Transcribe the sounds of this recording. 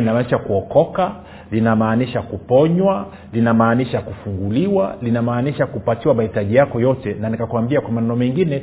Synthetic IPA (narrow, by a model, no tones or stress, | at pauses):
inamaniʃakuɔkɔka | linamaːniʃakupɔɲwa | linamaːniʃakufuŋɡuliwalinamaːniʃakupatiwamahitaʄijakɔjɔtɛnanikakwambiakwamanɛnɔmɛŋɡinɛ